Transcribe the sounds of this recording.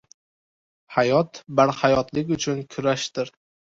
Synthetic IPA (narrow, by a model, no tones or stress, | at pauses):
hajɒt̪baɾhajɒt̪lɪkʲʊt͡ʃʰʊnkʲʰʊɾaʃt̪ɪɾ